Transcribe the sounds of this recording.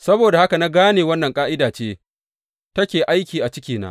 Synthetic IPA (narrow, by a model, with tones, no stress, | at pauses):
sɐ˦boː˨da˨ha˦ka˨na˦ɡaː˦neː˨wɐ˦nːɐ˨ŋkʼaː˦ʔɪ˦daː˨t͡ʃeː˦ | tɐ˦kʲeː˨ʔa˦jkʲiː˨ʔa˨t͡ʃɪ˦kʲiː˨na̰˦